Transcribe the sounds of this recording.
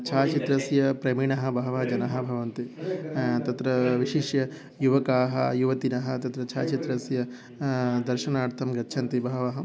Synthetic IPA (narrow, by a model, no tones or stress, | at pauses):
t͡ʃʰaːt͡ʃit̪ɾɐsjɐpɾɐmiɳɐɦɐ̆bʱɐɦɐʋɐɦɐd͡ʒɐnɐɦɐ̆bʱɐʋɐnt̪i | t̪ɐt̪ɾɐʋiʃiʃjɐ | juʋɐkaːɦɐjuʋɐt̪inɐɦɐ̆t̪ɐt̪ɾɐt͡ʃʰaːt͡ʃit̪ɾɐsjɐ | d̪ɐɾʃɐnaːɾt̪ʰɐmɡɐtːʃʰɐnt̪ibʱɐɦɐʋɐɦɐ